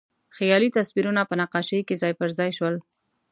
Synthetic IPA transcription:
xjɑlit̪aswiɾunapənaqɑʃəjkezɑjpəɾzɑjʃwəl

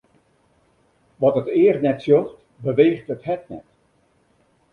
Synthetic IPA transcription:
ʋɔtətɪərtnɛtsjoxt | bəʋeːxtəthɛtnɛ̰t

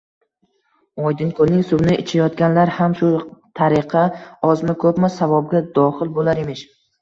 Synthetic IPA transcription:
ɒjd̪ɪnkʰolnɪŋsʊbnɪʔɪt͡ʃʰajɒt̪ɡʲanlaɾhamʃʊt̪ʰaɾɪqʰɑɒzmɪkʰɵpmɪsavɒb̚ɡʲad̪ɒχɪlbolaɾemɪʃ

